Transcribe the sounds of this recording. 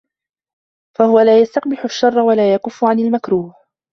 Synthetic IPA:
fahʊwalaːjast̪ɑqbɪħʊʃːɑrˤːɑwalaːjaqʊfːʊʕanalmakɾuːh

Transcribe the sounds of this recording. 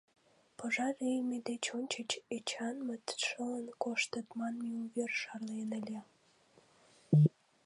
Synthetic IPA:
pəʒɑɾejmed̪et͡ɕonʲt͡ɕət͡ɕet͡ɕɑnmət̪ʃələnkoʃt̪ət̪mɑnmiuβerʃɑrlenəlʲe

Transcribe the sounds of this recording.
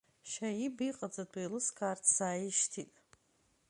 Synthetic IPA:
ʃaibiqʼad͡zadʰʼejlɨskʰartʰsaːjiʃtʰitʼ

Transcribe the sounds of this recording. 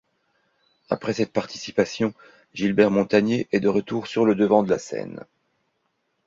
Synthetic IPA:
a̰pχɛsɛt̪̚paʁt̪i̥si̥pasjɔ̃ | ʒilbɛʁmɔ̃t̪aɲjeʔɛd̪əʁət̪uʁsyʁləd̪əvɑ̃d̪əla̰sɛ̰n

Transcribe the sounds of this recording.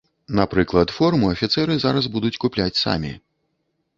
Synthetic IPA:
napɾɨklˠɐt̪fɔrmuɐfʲit̪sɛɾɨzaɾɐzbud̪ut͡sʲkuplʲat͡sʲsa̰mʲḭ

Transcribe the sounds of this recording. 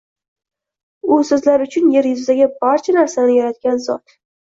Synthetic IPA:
ʊsɵzlaɾʊt͡ʃʰʊnje̞ɾjʊzɪaɡʲɪbaɾt͡ʃʰanaɾsanɪjaɾat̪̚ɡʲanzɒ̰t̪

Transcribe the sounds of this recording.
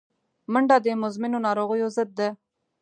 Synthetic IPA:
məɳɖɑd̪emʊzmɪnonɑːɾoɣəjozəd̪̚ːe

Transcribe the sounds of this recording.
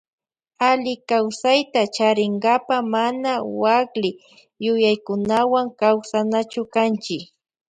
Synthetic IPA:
alɪkawsajt̪at͡ʃaɾɪŋɡapamanawaklɪ | jʊjajkʊnawaŋkawsanat͡ʃʊkant͡ʃɪk

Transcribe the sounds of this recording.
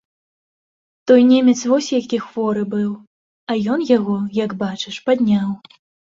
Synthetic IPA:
t̪ɔjnʲemʲɛt̪svɔsʲjakʲixvɔɾɨbɨw | ɐjɔnjaɣɔjaɡbat͡ʂɨʂpad̪ʲnʲaw

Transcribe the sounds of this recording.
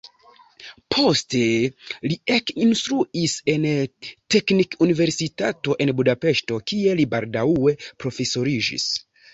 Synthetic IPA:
pʰo̞ste̞liekinstɾuise̞nte̞knikunive̞ɾsitato̞ʔe̞nbudape̞ʃto̞kie̞libaldawwe̞pɾo̞fe̞so̞ɾid͡ʒḭs

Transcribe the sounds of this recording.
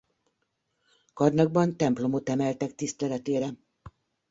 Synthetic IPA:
kɒrnɒɡ̚bɒnt̪ɛmplo̞mo̞t̪ɛmɛlt̪ɛk̚t̪ist̪ɛlɛt̪eːɾɛ

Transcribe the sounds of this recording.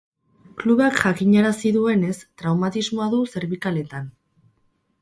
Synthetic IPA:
kluβakʝakiɲaɾasiðue̞ne̞st̪ɾawmat̪izmo̞aðuse̞ɾβikale̞t̪an

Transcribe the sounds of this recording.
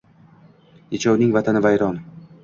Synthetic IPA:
jet͡ʃʰawnɪŋvat̪ʰanɪvajɾɒn

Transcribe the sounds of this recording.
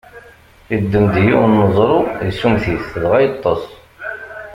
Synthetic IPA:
id̪ːəmd̪jinːəzˤɾˤujəsːumθiθðʁæjɑt̪ˤːɑsˤ

